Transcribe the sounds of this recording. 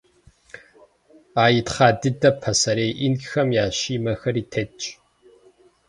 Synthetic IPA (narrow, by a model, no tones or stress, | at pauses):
aːjɪtχaːdɨdɐpʰɐsɐɾeːjʔinkxɐmjaːɕiːmɐxɐɾiːtʰɐt͡ʃʼ